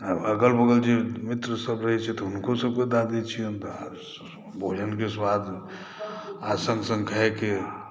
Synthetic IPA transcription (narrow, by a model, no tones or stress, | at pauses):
əɡəlbəɡəld͡ʒemit̪ɾəsəbɾəɦɛt͡ʃʰɛt̪ɔɦunkosəb̚ked̪ad̪et͡ʃʰijənt̪a | bʱod͡ʒənkeswad̪ | asə̃ŋɡsə̃ŋɡkʰəɦeke